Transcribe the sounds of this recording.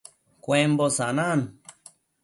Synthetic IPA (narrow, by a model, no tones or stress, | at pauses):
kʷembosanan